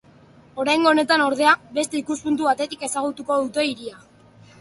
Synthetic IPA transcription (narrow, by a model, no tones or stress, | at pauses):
o̞ɾajŋɡo̞ne̞t̪ano̞ɾð̞e̞abe̞st̪e̞ikuspunt̪̬uβat̪e̞t̪ike̞saɣ̞ut̪uko̞ðut̪e̞iɾia